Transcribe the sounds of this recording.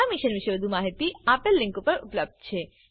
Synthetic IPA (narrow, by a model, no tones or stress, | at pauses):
amiʃənʋiʃəʋəd̪ʱumaɦit̪iapelːiŋkupəɾupləb̚d̪̚ʱt͡ɕʰe